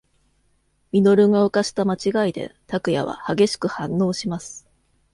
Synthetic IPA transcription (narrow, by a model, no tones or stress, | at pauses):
mʲino̞ɾɯ̟ŋaokaɕi̥t̪amat͡ɕiɡaid̪e̞̰t̪akɯ̟ja̰βa̰haɡe̞ɕi̥kɯ̟hãnːo̞ːɕimasɨ̥